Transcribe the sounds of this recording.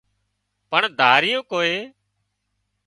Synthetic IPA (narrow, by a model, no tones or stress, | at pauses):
pəɳd̪ʱaːɾɪjõːkoːeː